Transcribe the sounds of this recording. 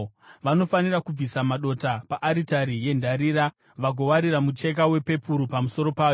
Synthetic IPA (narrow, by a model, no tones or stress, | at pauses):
ʋano̞fanirakub͡visamaɗo̞tapaʔːɾitaɾije̞ndaɾiɾa | ʋaɡʱo̞waɾiɾamut͡ʃe̞k̬awe̞pe̞puɾupamuso̞ɾo̞paːjo